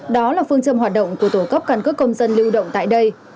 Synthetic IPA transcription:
ɗɔ˨˦laː˨˩fɨ˧əŋt͡ɕə˧mɦwaː˨˩t̚ɗə̰˧˨wŋ͡mku˧˩ə˩t̪o˧˩kə˦˥p̚kaː˧nkɨ˦˥əkːə˧wŋ͡mzə˧nli˧wɗə̰˧˨wŋ͡mt̪a̰ː˧˨jɗə˧j

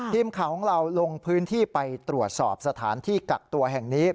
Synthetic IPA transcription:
t̪ʰiː˧mkʰa˨˩˦wkʰɔ˨˩˦ŋɾa˧wlo˧ŋpʰɯː˦˥nt̪ʰiː˥˩pa˧jt̪ɾu˨˩ət̪̚sɔ̰ː˨˩p̚sa˧t̪ʰaː˩˦nt̪ʰiː˥˩ka˨˩k̚t̪u˧ɐɦɛ˨˩ŋniː˦˥

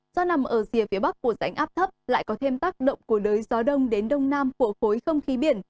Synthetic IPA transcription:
z̥ɔ˧na˨˩mʔəː˧˩zi˨˩əfi˨˦əɓa˦˥k̚ku˧˩əza˨˩jŋ̟ʔaː˦˥p̚t̪ʰə˦˥p̚la̰ː˧˨jkɔ˨˦t̪ʰe˧mt̪aː˦˥k̚ɗə̰˧˨wŋ͡mku˧˩əɗəː˨˦jzɔ˨˦ɗə˧wŋ͡mɗe˨˦nɗə˧wŋ͡mnaː˧mku˧˩əxo˨˦jxə˧wŋ͡mxi˨˦ɓi˧˩ən

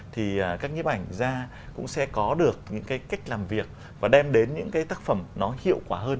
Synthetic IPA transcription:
t̪ʰiː˨˩˨kaː˦˥k̚ɲi˧˥p̚ʔa˧˩jŋ̟zaː˧ | kʊ̰˧˥ŋ͡msɛ̰˧˥kɔ˨˦ɗɨ˨˩ək̚ɲɨ̰˧˥ŋkaː˨˦jka˦˥jk̟̚laː˨˩mvi˨˩ək̚ | vaː˨˩ɗɛ˧mɗe˨˦nɲɨ̰˧˥ŋkaː˨˦jt̪aː˦˥k̚fə˧˩mnɔ˨˦hḭ˧˨əwkwaː˧˩ɦəː˧n

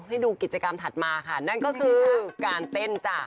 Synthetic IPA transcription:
ɦa˥˩jduː˧ki˨˩t̪̚t͡ɕa˧ka˧mt̪ʰa˨˩t̪̚maː˧kʰa˥˩na˥˩nkɔː˥˩kʰɯː˧kaː˧nt̪e˥˩nt͡ɕaː˨˩k̚

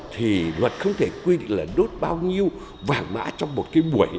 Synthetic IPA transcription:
t̪ʰi˨˩lwə˨˩t̚xə˧wŋ͡mt̪ʰe˧˩kwi˧ɗḭ˧˨ŋ̟laː˨˩ɗo˦˥t̚ɓaː˧wɲi˧əw | vaː˨˩nma̰ː˧˥t͡ɕɔ˧wŋ͡mmo˨˩t̚kaː˨˦jɓu˧˩əj

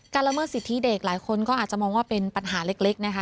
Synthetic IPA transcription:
kaː˧nla˧˥mɤː˥˩t̪̚si˨˩t̪ʰːi˦˥˩de˨˩k̚laː˩˦jkʰo˧nkɔː˥˩ʔa˨˩t͡ɕa˨˩mɔː˧ŋwaː˥˩pe˧npa˧nɦaː˩˦le˦˥k̚le˦˥k̚na˦˥kʰa˦˥

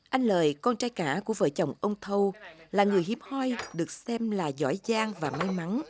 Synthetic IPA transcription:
ʔa˧jŋ̟ləː˨˩jkɔ˧nt͡ɕaː˧jkaː˧˩ku˧˩əvə̰ː˧˨˦jt͡ɕə˨˩wŋ͡mʔə˧wŋ͡mt̪ʰə˧wlaː˨˩ŋɨ˨˩əjɦi˨˦əmhɔ˧jɗɨ˨˩ək̚sɛ˧mlaː˨˩zɔ̰˧˥˩jzaː˧ŋvaː˨˩ma˧jma˨˦n

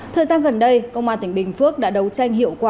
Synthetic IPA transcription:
t̪ʰəː˨˩jzaː˧nɣə˨˩nɗə˧jkə̰˧˨wŋ͡mʔaː˧nt̪ï˧˩ŋ̟ɓï˨˩ŋ̟fɨ˦˥ək̚ɗa̰ː˧˥ɗə˨˦wt͡ɕa˧jŋ̟hḭ˧˨əwkwaː˨˩

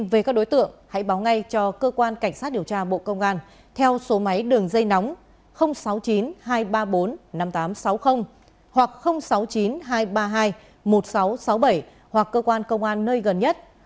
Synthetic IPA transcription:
ve˨˩kaː˦˥k̚ɗo˨˦jt̪ɨ̰˧˨əŋha̰˧˥jɓaː˨˦wŋa˧jt͡ɕɔ˧kəː˧kwaː˧nka˧˩ŋ̟saː˦˥t̚ɗi˨˩əwt͡ɕaː˧ɓo̰˧˨kə˧wŋ͡mʔaː˧n | t̪ʰɛ˧wso˨˦ma˨˦jɗɨ˨˩əŋzə˧jna˨˦wŋ͡m | xə˧wŋ͡msa˨˦wt͡ɕi˨˦nɦaː˧jɓaː˧ɓo˨˦nna˧mt̪aː˨˦msa˨˦wxə˧wŋ͡m | hwa˨˩k̚xə˧wŋ͡msa˨˦wt͡ɕi˨˦nɦaː˧jɓaː˧ɦaː˧j | mo˨˩t̚sa˨˦wsa˨˦wɓə˧˩j | hwa˨˩kːəː˧kwaː˧nkə˧wŋ͡mʔaː˧nːəː˧jɣə˨˩nɲə˦˥t̚

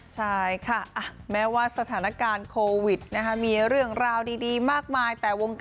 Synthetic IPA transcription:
t͡ɕʰa˥˩jkʰa˥˩ʔa˨˧˩mɛː˦˥waː˥˩sa˧t̪ʰaː˩˦na˦˥kaː˧nkʰoː˧wi˨˩t̪̚na˦˥kʰa˦˥miː˧ɾɯ˥˩əŋɾaː˧wdiː˧diː˧maː˥˩k̚maː˧jt̪ɛː˨˩wo˧ŋk

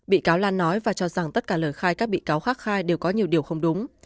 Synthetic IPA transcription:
ɓḭ˧˨kaː˨˦wlaː˧nːɔ˨˦jvaː˨˩t͡ɕɔ˧za˨˩ŋt̪ə˦˥t̚kaː˧˩ləː˧˩jxaː˧jkaː˦˥k̚ɓḭ˧˨kaː˨˦wxaː˦˥t̚xaː˧jɗe˨˩wkɔ˨˦ɲi˨˩əwɗi˨˩əwxə˧wŋ͡mɗʊ˨˦ŋ͡m

